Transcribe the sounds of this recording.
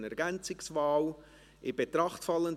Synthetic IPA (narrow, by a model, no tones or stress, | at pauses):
nɛɾɡænt͡sɪksvaːl | ʔɪb̥etɾɑχtfɑlːənd